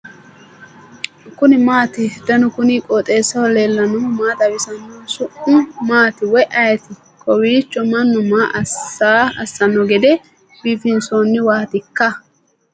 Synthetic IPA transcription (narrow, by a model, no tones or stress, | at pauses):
kʊnɪmaːt̪ɪd̪ɐnʊkʊnikʼot̪ʼe̞ːsːɐwɔle̞ːlːɐnɔmaːt̪ɐwɪsɐnːoːsʊʔʊmaːt̪ɪwɔjʔɐjɐt̪ɪ | kʰʼɔwiːt͡ʃːɔmɐnːʊmaːʔsaːɐ̰sːɐnːɔɡɛd̪ɛ | b̥iːfɪnsoːnːɪwaːt̪ɪkːɐ